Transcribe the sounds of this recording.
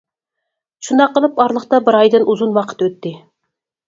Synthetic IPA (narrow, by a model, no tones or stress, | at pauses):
ʃund̪ɑqːəlˠɨpɑɾlˠəχt̪ɑbɪɾɑjd̪ɨnʔuzunwɑqʰə̥t̪øt̪ːɪ